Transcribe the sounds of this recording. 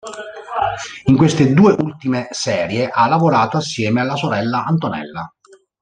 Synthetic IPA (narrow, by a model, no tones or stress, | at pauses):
iŋkwest̪ed̪uːeʔult̪imesɛːɾjeʔalːavoɾaːt̪oasːjɛːmealːasoɾɛlːaant̪onɛ̰lːa